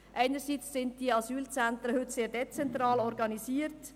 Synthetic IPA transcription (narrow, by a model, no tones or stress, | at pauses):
ʔæɪnəɾsit͡sːɪnt̚d̥iəɑsyːlt͡sæntɾəhʏtseːɾdɛt͡sɛntɾɑːlɔɾɡɑnisiːəɾt